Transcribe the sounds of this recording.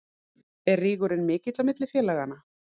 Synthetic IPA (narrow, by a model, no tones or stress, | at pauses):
ɛrriːɣʏɾɪnmɪːcɪt̪lawmɪt̪lɪfjɛːlɛɣanːa